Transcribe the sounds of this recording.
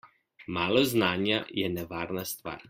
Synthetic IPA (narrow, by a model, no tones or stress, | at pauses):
maːlɔznaːnjajɛnɛʋaːɾnast̪ʋa̰ːɾ